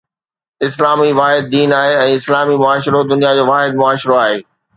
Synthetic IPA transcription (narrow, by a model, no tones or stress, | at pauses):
ɪslaːmiʋaːɦɪd̪̚ːiːnaːɦeɛ̃ːɪslaːmimʊaːʃɾod̪ʊnijad͡ʑoːʋaːɦɪd̪̚mʊaːʃɾoaːɦeː